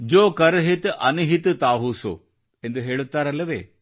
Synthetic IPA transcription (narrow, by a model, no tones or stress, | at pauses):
d͡ʒoːkɐɾɦit̪ɐ̰niɦit̪t̪aːɦuso̰ | ẽnd̪uɦeːɭut̪ːaɾɐleʋḛː